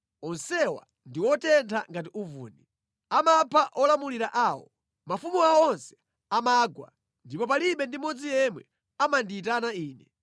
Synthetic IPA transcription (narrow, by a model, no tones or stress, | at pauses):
ɔnsɛwa̰ | ndiwɔtɛntʰaŋɡat̬iuvṵːni | amapʰaʔɔlamuliɾaʔaːwɔ̰ | mafumuawɔɔnsɛ̥ | amaːɡwa̰ | ndipɔpaliɓɛndimɔd͡zijɛmwɛ | amandiːt̬anaiːnɛ